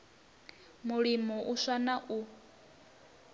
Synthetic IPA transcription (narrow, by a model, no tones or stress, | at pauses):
muɺimɔʔusanaʔu